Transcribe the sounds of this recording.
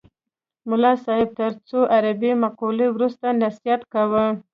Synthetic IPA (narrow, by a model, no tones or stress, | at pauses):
mʊlɑsɑhɪb̚t̪əɾt͡soʔaɾabimaqulewɾust̪anasijat̪kawə